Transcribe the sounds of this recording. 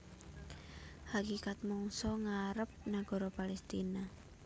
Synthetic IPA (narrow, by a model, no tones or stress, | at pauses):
hakikat̪̚mɔŋsɔŋaɾəp̚naɡ̥ɔ̤ɾɔpalɛst̪ina